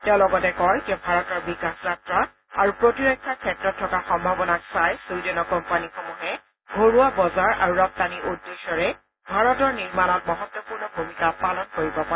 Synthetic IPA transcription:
tɛʊ̃lɔɡɔtɛkɔɹkɛbʱaɹɔtɔɹbikaxzatɹa | aɹupɹotiɹɔkʰːakʰɛtɹɔtʰːɔkaxɔmbʱabɔnaksajsudɔnɔkɔmpanixomuɦɛ | ɡʱoɹuabɔzaɹa̰ɹuɹɔk̚taniʔudːesɔɹɛ | bʱaɹɔtɔɹniɹmanɔt̚mɔɦɔtːɔpuɹnɔbʱumikapalɔnkoɹibɔpa

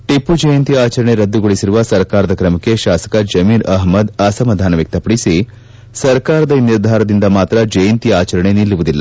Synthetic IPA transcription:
ʈipːud͡ʒɐjɐnt̪iaːt͡ʃɐɾɐɳe̞ɾɐd̪ːuɡoɭisiɾuʋɐsɐɾkaːɾɐd̪ɐkɾɐmɐkːe̞ʃaːsɐ̥kɐd͡ʒɐmiːɾɐɦmɐd̪ɐːsɐmɐd̪ʱaːnɐʋjɐk̚t̪ɐpɐɽisi | sɐɾkaːɾɐd̪ɐiniɾd̪ʱaːɾɐd̪ind̪ɐmaːt̪ɾɐd͡ʒɐjɐnt̪iaːt͡ʃɐɾɐɳe̞nilːuʋud̪ilːɐ

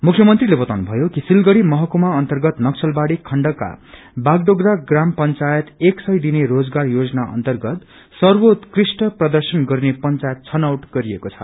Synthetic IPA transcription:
mukʰːjʌmʌnt̪rilebʌt̪awnubʱʌjokisilɡʌɽimʌɦʌkumaʌnt̪ʌrɡʌt̪nʌksʰʌlbaɽikʰʌɳɖʌkːa̰ | baɡɖoɡɾaɡrampʌnt͡sajʌt̪eksʌjd̪ineɾod͡zɡarjod͡zʌnaʌ̰nt̪ʌrɡʌt̪ | sʌrbot̪krisʈʌprʌd̪ʌrsʌnɡʌrnepʌnt͡sajʌt̪̚t͡sʰʌnawʈɡ̥ʌɾiekot͡sʰʌ̥

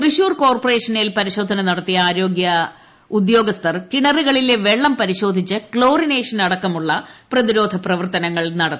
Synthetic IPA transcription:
kriɕuːrko̞ːrpɐre̞ːʂɐnilpɐɾiɕo̞ːd̪ʱɐnɐnɐɽɐt̪ːijɐaːɾo̞ːɡjɐ | ud̪jo̞ːɡɐst̪ɐrkiɳɐriɣɐɭileʋe̞ɭːɐmpɐɾiɕo̞ːd̪ʱit͡ɕːɨkɭo̞ːrine̞ːʂɐnɐɽɐkːɐmuɭːɐprɐðiɾo̞ːd̪ʱɐprɐʋɐrt̪ɐnɐŋːɐɭnɐɽɐt̪ː

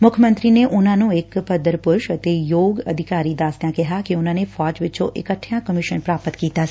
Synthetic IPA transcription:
mʊkʰjəmə̃nt̪ɾineʔunãnũekpəd̪əɾpʊɾʃət̪ejoːɡəd̪ʱikaːɾid̪aːsjãkɛɦakeʊnãnefɔːd͡ʒʋɪːt͡ʃʰoʔḛkəʈʰːjãkəmiʃənpɾaːpət̪kit̪a

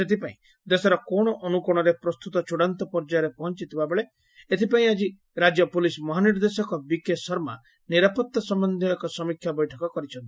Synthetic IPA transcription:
set̪ipaĩ | d̪esɔɾɔkɔɽ̃ɔʔɔnukɔɽ̃ɔɾepɾɔst̪ut̪ɔt͡ʃʰuɽant̪ɔpɔɾd͡ʒaɾepɔɦɔnt͡ʃit̪ʰibabeɭe | et̪ʰipaĩad͡ʒi | ɾad͡ʒjɔpulismɔɦaniɾd̪esɔkɔbikesɔɾma̰ | niɾapɔt̪ːɔsɔmbɔnd̪ʱiɔkɔsɔmikʰjabɔjʈʰɔkɔkɔɾit͡ʃʰɔnt̪i̥

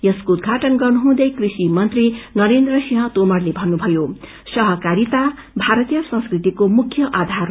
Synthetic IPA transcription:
jʌskoud̪̚ɡʱaʈʌnɡʌrnuɦũd̪ʌjkrisimʌnt̪rinʌɾend̪rʌsiɦʌ̃t̪omʌrlebʱʌnːubʱʌjo | sʌɦʌkaɾit̪a | bʱaɾʌt̪ijʌsʌ̃nskrit̪ikomukʰjʌʔad̪ʱar

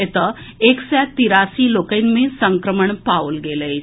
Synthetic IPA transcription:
et̪ə | eksɛjt̪iɾasiːlokəjnmẽsəŋkɾəməɳpawlɡeləj

